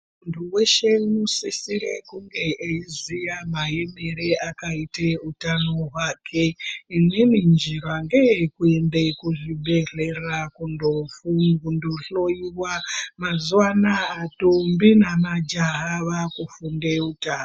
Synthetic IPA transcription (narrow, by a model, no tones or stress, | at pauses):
muntʰuwe̞ʃe̞unosisiɾḛkuŋɡe̞ʔeizijamaɦe̞me̞reʔakaiteutanoɦwakʰeinenind͡ʒiraŋɡeekuembe̞kuʐiɓʱe̞re̞rakundofuundoɬo̞iwamazuwanaːtombinamad͡ʒaɦaʋakufunde̞utaːno